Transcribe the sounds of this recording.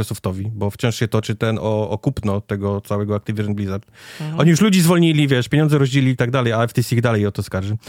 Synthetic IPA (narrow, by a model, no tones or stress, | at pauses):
ɛsuft̪ɔvʲibɔft͡ɕɔ̃ʂɕɛt̪ɔt͡ʂɘt̪ɛnɔːkupnɔt̪ɛɡɔt̪sawɛɡɔak̚t̪ɘvʲiʐɛnblʲizaɾt̪ɔɲijuʂlud͡ʑizvɔlɲilʲivʲjɛʂpʲjeɲɔnd̪zɛɾɔʑd͡ʑelʲiit̪aɡd̪alɛjalɛft̪ɛsʲiɣd̪alɛjɔt̪ɔskaɾʐɘ